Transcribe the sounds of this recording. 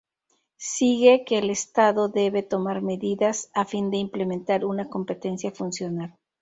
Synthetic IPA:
siɣe̞ke̞ːlest̪aðo̞ðe̞βe̞t̪o̞maɾme̞ðiðasafind̪e̞imple̞ment̪aɾunako̞mpe̞t̪e̞nsjafunsjo̞nal

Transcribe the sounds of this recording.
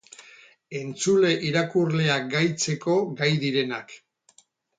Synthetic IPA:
e̞nt͡sule̞ʔiɾakurle̞aɡajt͡se̞ko̞ɡajðiɾe̞nak

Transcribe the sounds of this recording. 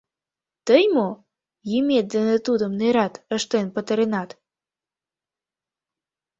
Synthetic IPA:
t̪əjmo | jimet̪zənət̪ud̪əmneɾɑt̪əʃt̪enpət̪əɾenɑt̪

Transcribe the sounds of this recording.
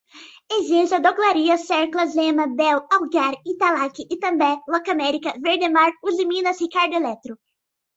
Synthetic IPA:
eʒezɐd̪oɡlaɾiɐsɛɾklɐzẽmɐbɛwawɡaɾit̪alakɪʔɪt̪ɐ̃mbɛlɔkamɛɾikɐveɾd̪emaɾuzimĩnɐshikaɾd̪ʊelɛt̪ɾʊ

